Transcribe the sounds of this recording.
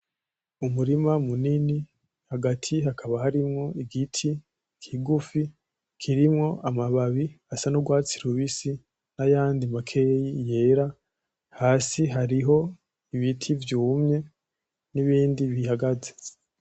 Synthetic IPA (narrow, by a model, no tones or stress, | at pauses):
umuɾimamunini | haɡatʰiɦakʰaβahaɾimŋo̞iɡitʰi | kʰiɡufi | kʰiɾimŋo̞ʔamaβaβiasanuɡwaːt͡siɾuβisi | najaːndimakʰe̞jije̞ːɾa | haːsiɦaɾiɦo̞ | iβitʰivjuːmɲe̞ | niβiːndiβihaɡaze